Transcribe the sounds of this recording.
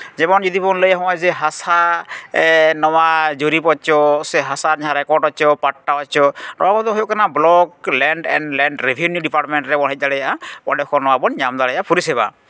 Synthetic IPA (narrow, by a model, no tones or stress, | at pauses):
zɛbɔnd͡ʒɔd̪ipɔnləjaɦɔ̃azɛɦasa | nɔwad͡ʒoɾipɔt͡ʃɔsɛɦasaɾɲaɾɛkɔɾɖɔt͡ʃɔpaʈːaɔt͡ʃɔnɔakɔt̪ɔɦojokanablɔk̚lɛɳɖɛ̰ɳɖlɛɳɖɾebʱiunjuɖipaɾmenɾɛbɔɦɛt̚d̪alɛjaapɔ̰ɖɔkɔnɔwabɔnɲamd̪alɛjapʰuɾisɛba̰